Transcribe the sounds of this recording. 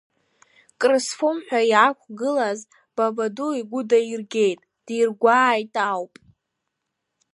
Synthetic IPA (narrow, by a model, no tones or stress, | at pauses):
kʼrɨsfumħʷᶣajakʷʰʼɡɨlaz | b̥abaduiɡʷʊdairɡʲejtʼ | d̥irɡʷaːjtʼawpʼ